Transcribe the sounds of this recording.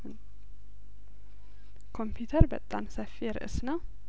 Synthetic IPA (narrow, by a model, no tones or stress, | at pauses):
n | kʰo̞mpʰjut̪ʰəɾbə̰t̪ʼːa̰msəfːiɛɾɨ̰ʔɨsna